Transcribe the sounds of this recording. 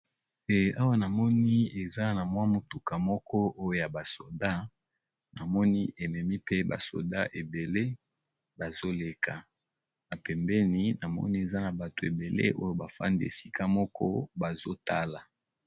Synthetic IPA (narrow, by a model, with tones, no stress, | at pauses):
e˨a˦wa˦na˨mɔ˦ni˦e˨za˦na˨mwa˦mo˨tu˨ka˨mɔ˦kɔ˦o˦jo˦˨ja˨ba˨so˨da˦ | na˨mɔ˦ni˦ʔe˨mɛ˨mi˦pe˦ba̰˨so̰˨da˦ʔe˨be˨le˦ | ba˨zo˦le˨kʰa˨ | na˨pɛ˨mbɛ˦ni˦na˨mɔ̰˦ni˦e˨za˦na˨ba˨to˨e˨be˨lḛ˦ʔo˦jo˦ba˨fa̰˦ndi˦ḛ˨si˦kʰa˦mɔ˦kʰɔ̰˦ba˨zo˦ta˦la˨